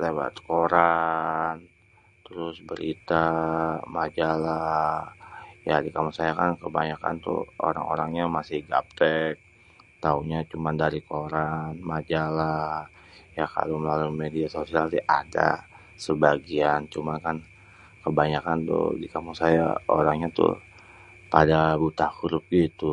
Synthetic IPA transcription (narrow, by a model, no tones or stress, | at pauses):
lewa̰t̪koɾan | t̪əɾʊsbəɾit̪amad͡ʒala | jadikamusajakankəbaɲaka̰nt̪ʊ̰o̰ɾa̰ŋo̰ɾaŋɲamasɪhɡa̰p̚t̪ɛk̚ | t̪auɲat͡ʃumandaɾikoɾanmad͡ʒala | jaka̰loməlalumediasosialt̪iʔa̰da̰ | səbaɡiant͡ʃumankan | kəbaɲakant̪ṵdikamusaja̰oɾaŋɲat̪ʊ̰ | padabut̪ahɾʊp̚ɡit̪u